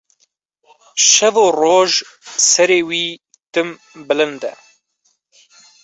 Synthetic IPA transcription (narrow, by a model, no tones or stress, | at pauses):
ʃɛvoːroːʒsɛɾeːwiː | t̪ɨm | bɨlɨnd̪ɛ̰